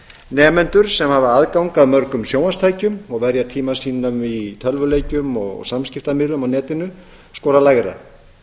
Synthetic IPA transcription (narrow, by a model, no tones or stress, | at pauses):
nɛːmɛnt̪ʏɾ̥sɛmhaːvaaðkawŋkaðmœɾkʏmsjoːwanst̪ʰaːjcʏmɔɣvɛɾjat̪ʰiːmasiːnamit̪ʰœlvʏleːjcʏmɔ̰ɣsamscɪft̪amɪlʏmawnɛːt̪ɪnʏ | skɔːɾalajɣɾa̰